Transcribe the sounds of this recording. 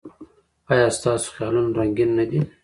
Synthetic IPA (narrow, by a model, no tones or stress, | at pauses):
ɑjɑst̪ɑːso̥xjɑlunaɾaŋɡinːad̪i